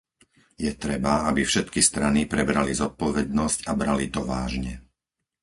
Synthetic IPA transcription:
jɛt̪ɾɛbaabifʃɛt̪kist̪ɾanipɾɛbɾalizɔt̪̚pɔʋɛd̪̚nɔscabɾalit̪ɔʋa̰ːʒɲɛ

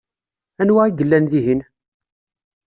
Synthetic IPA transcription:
ænwæiɡəlːænðiɦin

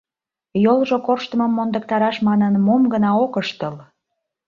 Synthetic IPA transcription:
jolˠʒokorʃt̪əməmːond̪ək̚t̪ɑɾɑʃmɑnənmomɡənɑokəʃt̪əl

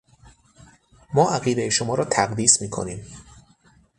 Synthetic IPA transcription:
mɒːʔæɣiːd̪ejeʃo̞mɒːɾɒːt̪ʰæɣd̪iːsmiːkʰo̰niːm

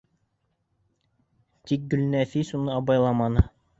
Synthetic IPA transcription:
t̪ik̚ɡɵ̆lnæfisunɤɑbɑjlˠɑmɑnɤ

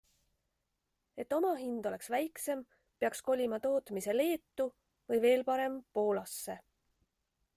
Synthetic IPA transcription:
e̞t̪ːo̞mɑɦind̪̥o̞le̞ksvæjkse̞m | peɑksko̞lʲimɑt̪o̞ːt̪mise̞le̞ːt̪ːu | vɤjve̞ːlpɑɾe̞mpo̞ːlɑsːe̞

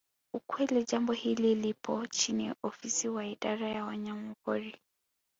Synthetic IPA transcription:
ukwɛlid͡ʒambɔhililipʰɔt͡ʃinḭʔɔfisiwaiɗaɾajawaɲamukɔɾi

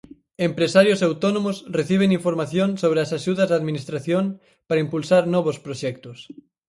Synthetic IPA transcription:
empɾesaɾjʊsawt̪ɔnõmʊsreθiβ̞eŋiɱfoɾmaθjoŋsoβɾeasaʃuðɐzðaðminist̪ɾaθjoŋ | paɾaimpulsaɾnɔβospɾoʃɛk̚t̪ʊs

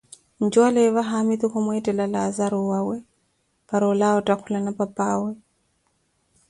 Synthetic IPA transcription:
nd͡ʒwalɛβaɦamit̪ukɔmwɛtʼɛlalaːzaɾɔwawɛ | paɾɔlaɔtʼakʰulanapapʼaːwɛ

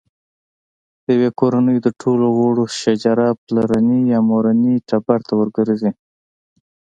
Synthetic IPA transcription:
dəjwekoɾanəjod̪əʈʰoloɣoɽoʃad͡ʒɑɾaplaɾanijɑmoɾaniʈabaɾt̪awəɾɡəɾzi

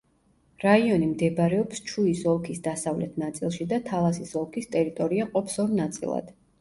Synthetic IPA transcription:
ɾaiɔnimd̪ɛbɾɛɔpst͡ʃʰuisɔlˠkʰisd̪asavlɛt̪ʰnat̪sʼḭlˠʃid̪at̪ʰalˠasisɔlˠkʰist̪ʼɛɾit̪ʼɔɾiaqʼɔpʰsɔɾnat̪sʼḭlˠa̰d̪̥

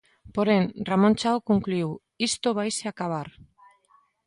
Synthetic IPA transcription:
po̞ɾenramo̞nt͡ʃaokoŋkluw | ist̪oβajseakaβar

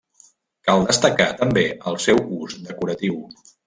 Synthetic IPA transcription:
kalˠd̪əst̪əkat̪əmbeʔəlˠsɛwuzd̪əkuɾət̪iw

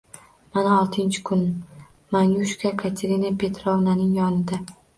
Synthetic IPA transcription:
manaɒlˠt̪ʰɪnt͡ʃʰɪ̥kʰʊn | manjuʃkʰakʰat̪ʰeɾinapʰe̞t̪ʰɾɒvnanɪŋjɒnɪd̪a

